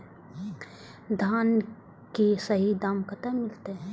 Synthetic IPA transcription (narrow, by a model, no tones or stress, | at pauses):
d̪ʱaːn | kisɐɦid̪aːmkət̪amɪlt̪eɦɛ